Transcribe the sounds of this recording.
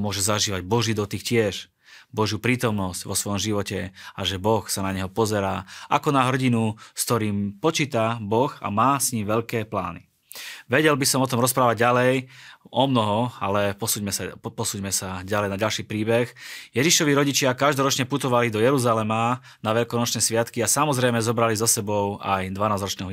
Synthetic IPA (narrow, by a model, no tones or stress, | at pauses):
mʊɔʒɛzaʒiːʋaɟbɔʒiːd̪ɔt̪iːxcɪɛʃ | bɔʒjuːpɾiːt̪ɔmnɔscʋɔsʋɔjɔmʒiʋɔcɛaʒɛbɔxsanaɲɛɦɔpɔzɛɾaːʔa̰kɔnaɦr̩ɟinuskt̪ɔɾiːmpɔt͡ʃiːt̪abɔxa̰maːsɲimʋɛʎkɛːpla̰ːni | ʋɛɟɛlbisɔmɔt̪ɔmɾɔspɾaːʋaɟalɛjɔmnɔɦɔa̰lɛpɔsumɛapɔsuːɟmɛsaɟalɛjnaɟalʃiːpɾiːbɛxjɛʒiʃɔʋiːɾɔɟit͡ʃɪakaʒd̪ɔɾɔt͡ʃɲɛput̪ɔʋalid̪ɔjɛɾuzalɛma | naʋɛʎkɔnɔt͡ʃnɛsʋɪat̪kiasamɔzɾɛjmɛzɔbɾalizɔsɛbɔʊajd̪ʋanaːzɾɔt͡ʃnɛːɦɔ